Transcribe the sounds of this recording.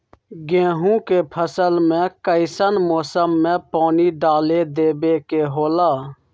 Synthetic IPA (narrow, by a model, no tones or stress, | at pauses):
ɡẽːɦũːkeːpʰəsəlmẽːkəɪsənmoːsəmːẽːpaːniːɖaːleːd̪eːbeːkeːɦoːlaː